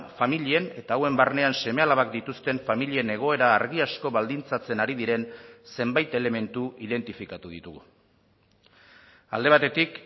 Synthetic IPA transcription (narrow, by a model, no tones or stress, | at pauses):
familie̞ne̞t̪aːwe̞mbarne̞anse̞me̞alaβakd̪it̪ust̪e̞ɱfamilie̞ne̞ɣ̞o̞e̞ɾaːɾɣiasko̞βald̪int͡sat͡se̞naɾiðiɾe̞nse̞mbajt̪e̞le̞me̞nt̪uið̞e̞nt̪ifikat̪uð̞it̪uɣu | ald̪e̞βat̪e̞t̪ik